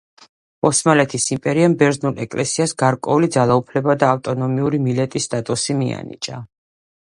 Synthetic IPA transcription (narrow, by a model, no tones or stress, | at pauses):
ɔsmalɛt̪ʰisimpʼɛɾiambɛɾznulˠɛkʼlɛsiasɡaɾkʼwɛulid̪zalˠaupʰlɛbad̪aːft̪ʼɔnɔmiuɾimilɛt̪ʼisːt̪ʼat̪ʼusimia̰nḭt͡ʃʼa